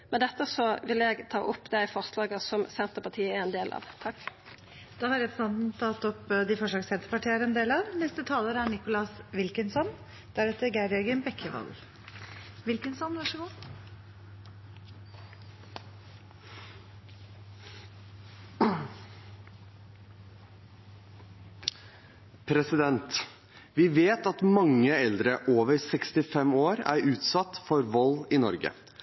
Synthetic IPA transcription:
mɛd̪ɛt̪ːəsɔʋɪlɛɡt̪ʰɑ̰ːʔʊpːd̪æɪfɔʁslɑːɡəsɔmsɛnt̪əpɑt̪ʰiːəɛɛnd̪eːlʔɑ̰ːʋt̪ʰɑkː | d̪̥ɑhɑɾɛpsɑnt̪n̩t̪ʰɑt̪ːɔpd̪ɪfɔʂɭɑːɡsɛnt̪ə̥pɑʈʰiːəɾɛnd̪eːlɑʋnɛst̪ət̪ʰɑːləɾæɳɪkʊlɑsʋɪlkənsɔn | d̪̥æɾɛt̪ːəɡæɾɛɾɡənbɛkʰːəʋɑ̰l | ʋɪlkənsɔnʋɑʂəɡuː | pʰɾɛsɪd̪ɛnt̪ | ʋɪʋeːt̪ɑt̪mɑŋːəɛld̪ɾəʔoːʋəɾsɛkst̪ɪfɛmoːɾæ̰ɾʉːt̪sɑt̪ːfɔɾʋɔlːɪnɔɾɡə̰

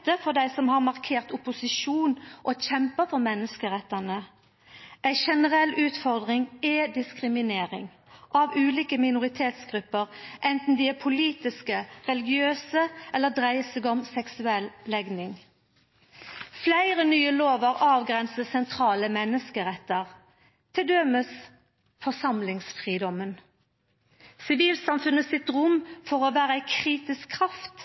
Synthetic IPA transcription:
t̪əfɔʁd̪æɪsɔmhɑʁmɑʁkʰeːʁt̪ʊpʊsɪʃuːnʔɔçɛmpəfɔʁmɛnːəskəʁɛt̪ːənə | ʔæɪʃɛnəʁɛlːʉːt̪fɔʁd̪ʁɪŋeːd̪ɪskʁɪmɪneːʁɪ̰ŋ | ʔɑʋʉːliːkəmɪnʊʁɪt̪ʰeːt̪sɡʁʉpːəʁʔɛnt̪n̩d̪iːɛpʰʊliːt̪ɪskəʁɛlɪɡɪøːsəʔɛlːəd̪ʁæɪəseɡɔmsɛksʉɛllɛɡnɪŋ | flæɪʁənyːəloːʋəʁɑːʋɡʁɛnsəsɛnt̪ʰʁɑːləmɛnːəskəʁɛt̪ːəʁ | t̪ʰɪld̪øməs | fɔsɑmlɪŋsfʁiːd̪ɔmən | sɪʋiːlsɑmfʉnəsɪt̪ʁʊmfɔʁoːʋæːʁəæɪkʰʁiːt̪ɪskʰːʁɑft̪

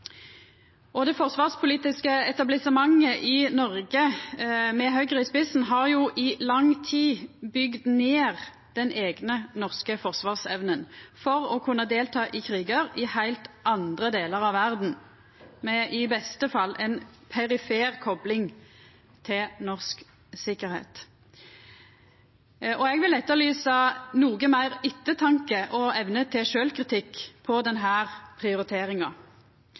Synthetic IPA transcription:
ɔd̪ɛfɔʁsʋɑːʁspʰʊliːt̪ɪskəɛt̪ɑblɪsəmɑŋːəʔɪnɔʁɡə | mɛɦœʏɡʁɪspɪsn̩ɦɑːʁjuːʔɪlɑŋt̪ʰiːbʏɡd̪neːʁ | d̪̥ɛnʔeːɡnənɔʁskəfɔʁsʋɑːʁsɛʋnənfɔʁɔkʰʉnːəd̪eːlt̪ʰɑːʔɪkʰʁiːɡəʁɪhæɪlt̪ʔɑnd̪ʁəd̪eːləʁɑʋʋæʁd̪n̩ | mɛʔɪbɛst̪əfɑlːɛnpʰɛʁɪfeːʁkʰɔblɪŋ | t̪ʰɪlnɔʁsk | sɪkːəɾhḛːt̪ | ʔɔɛɡʋɪlɛt̪ːəʁlyːsɑnuːɡəmæɪʁɪt̪ːət̪ʰɑŋkəʔɔɛʋnət̪ʰɪʃøːlkʁɪt̪ʰɪkːpʰɔd̪ɛnɦæːʁpʰʁɪʊɾɪt̪ʰeːʁɪŋɑ

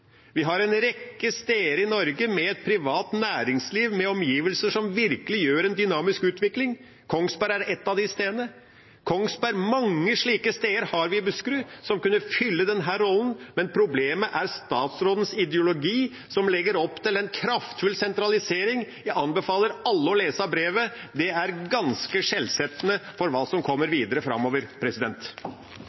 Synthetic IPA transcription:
ʋɪɦɑɾɛnɾɛkːəst̪eːəɾɪnɔɾɡəmɛɛt̪̚pʰɾɪʋɑːt̪næːɾɪŋsliːʋmɛɔmjiːʋəlsəʂɔmʋɪɾkəlɪjøːɾɛnd̪ʏnɑːmɪskʉːt̪ʰʋɪklɪŋ | kʰɔŋsbæɾæɾɛt̪ːɑʋd̪ɪst̪eːd̪ənə | kʰɔŋsbæɾmɑŋːəʂɭiːkəst̪eːəɾhɑɾʋɪɪbʉskɾʉsɔmkʉnːəfʏlːəd̪ɛnɦæːɾɔlːənmɛnpʰɾʊbleːməʔæɾst̪ɑːt̪sɾoːd̪ən̩sɪd̪jʊlʊɡiː | sɔmlɛɡːəɾɔpːt̪ʰɪlɛnkʰɾɑft̪fʉlsɛnt̪ɾɑlɪseːɾɪŋjæɑnbɛfɑːləɾɑlːəɔleːsɑbɾeːʋəd̪ɛæɾɡɑnskəʂɛlsɛt̪ːənəfɔɾʋɑːsɔmkʰɔmːəɾʋiːd̪əɾəfɾɑ̰mːoːʋəɾpʰɾɛsɪd̪ɛnt̪

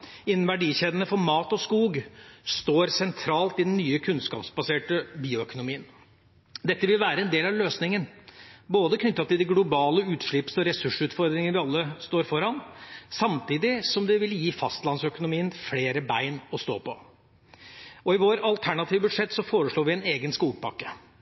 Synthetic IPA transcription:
ɪnːn̩ʋæɖiːçeːd̪ənəfɔɾmɑːt̪ɔskuːɡst̪oːɾsɛnt̪ʰɾɑːlt̪ɪd̪ɛnːyːəkʰʉnskɑ̰ːpsbɑseːʈəbiːʊœkʊnʊmiːən | d̪ɛt̪ːəʋɪlʋæːɾəɛnd̪eːlɑʋløːsnɪŋənboːd̪əkʰnʏt̪ːɑt̪ʰɪld̪ɛɡlʊbɑːləʉːt̪ʂɭɪpsɔɾɛsʉʂʉːt̪fɔɾd̪ɾɪŋəʋɪɑlːəst̪oːɾfɔɾhɑnsɑmt̪iːd̪ɪsɔmd̪ɛʋɪljiːfɑst̪lɑnsœkʊnʊmiːənfleːɾəbæɪnɔst̪o̰ːpɔ | ɔɪʋoːɾɑlt̪ʰæɳɑt̪ʰiːʋəbʉd̪ʂɛt̪ːsɔfoːɾəʂɭoːɾʋɪɛneːɡənskuːɡ̚pʰɑkːə̥

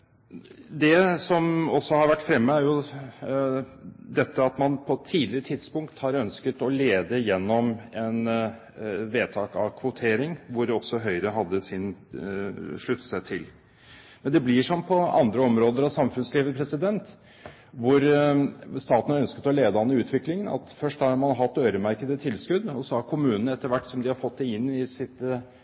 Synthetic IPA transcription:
d̪ɛsɔmɔsːɔhɑɾʋæʈːfɾɛmːəæɾjʊ | d̪ɛt̪ːəɑt̪mɑnpʰɔt̪ʰiːd̪lɪɾət̪ʰɪd̪spʊŋkt̪hɑɾœnskət̪ɔleːd̪əjɛnːɔmɛn | ʋeːt̪ʰɑːkɑ̰ʋkʰʋʊt̪ʰeːɾɪŋʋʊɾɔsɔɦœʏɾəɦɑd̪ːəsɪn | ʂɭʉt̪ːsɛt̪ʰːɪl | mɛnd̪ɛblɪʂɔmpʰɔɑ̰nd̪ɾəɔmɾoːd̪əɾɑʋsɑmfʉnsliːʋəpʰɾɛsɪd̪ɛnt̪ | ʋʊɾ | st̪ɑːt̪ən̩hɑɾœnskət̪ɔleːd̪əɑnːəʉːt̪ʰʋɪklɪŋənɑ̰t̪fœʂʈhɑɾmɑnɦɑt̪ːøːɾəmæɾkəd̪ət̪ʰɪlskʉd̪ɔsɔhɑɾkʰʊmʉːnənəɛt̪ːəɾʋæʈːsɔmd̪ɪhɑɾfɔt̪̚ːd̪ɛɪnːɪsɪt̪

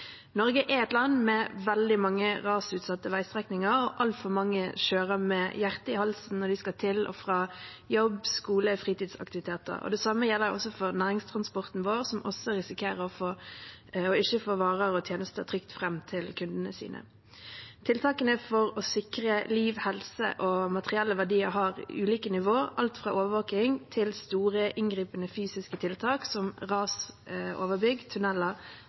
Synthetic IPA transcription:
nɔʁɡəʔɛɛt̪lɑnːmɛʋɛld̪ɪmɑŋːəʁɑːsʉːt̪sɑt̪ːəʋæɪst̪ʁɛknɪŋəɾɔʔɑlt̪fɔʁmɑŋːəʃøːʁəmɛjæʁt̪əɪhɑlsn̩nɔd̪ɪskɑt̪ʰɪlʔɔ̰fʁɑːjɔbskuːləfʁiːt̪iːd̪sɑ̰k̚t̪ɪʋɪt̪ʰeːt̪ə̰ʁɔ̰d̪ɛsɑmːəjɛlːəɔ̰sːɔfɔʁnæːʁɪŋst̪ʰʁɑnspɔʁt̪n̩ʋoːʁsɔmʔɔ̰sːɔɾɪsɪkʰeːʁəɔfoː | ɔɪçəfoːʋɑːʁəʁɔt̪ʰjeːnəst̪ət̪ʰʁʏkt̪fʁɛmːt̪ʰɪlkʰʉnd̪ənəsḭːnʔə̰ | t̪ʰɪlt̪ʰɑːkənəfɔʁɔsɪkɾəliːʋhɛlsə̰ʔɔmɑt̪əʁɪɛlːəʋæʁdiːəɾɦɑːʁʉːliːkənɪʋoːəʔɑlt̪fʁɑ̰ːʔoːʋəʋɑːkɪŋt̪ʰɪlst̪uːʁəʔɪŋɡʁiːpənəfyːsɪskət̪ʰɪlt̪ʰɑːksɔmʁɑːsoːʋəbʏɡt̪ʰʉnɛlːɑ

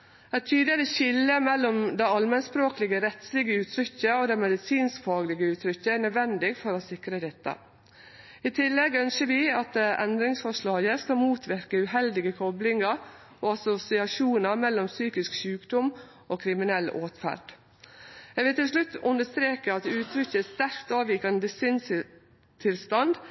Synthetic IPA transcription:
ɛɪt̪ʰyːd̪lɪɾəɕɪlːəmɛlːɔmd̪æɪɑlmɛnspɾoːklɪɡəɾɛt̪slɪɡəʉːt̪ʰɾʏçːəod̪ɛmɛd̪ɪsiːnskfɑːɡlɪɡəʉːt̪ʰɾʏçːəæɳœd̪ʋɛnd̪ɪɡfɔɾɔsɪkɾəd̪ɛt̪ːə̰ | ɪt̪ʰɪlːɛɡœnsəɾʋɪɑt̪ʔɛnd̪ɾɪŋsfɔʂɭɑːɡəskɑlmuːt̪ʰʋɪɾkəʉɦɛld̪ɪɡəkʰɔblɪŋɑɾ | oːɑsʊsɪɑʂuːnɑmɛlːɔmsyːkɪskʃʉːkd̪ʊm | ʔoːkʰɾɪmɪnɛlʔoːt̪fæ̰ɾd̪̥ | jɛɡʋɪlt̪ɪlʂlʉt̪ːʔʉnəst̪ɾeːkəɑt̪ʉːt̪ʰɾʏçːəæst̪æɾkt̪ɑːʋiːkənd̪ɪsɪns | t̪ʰɪlst̪ɑnd̪

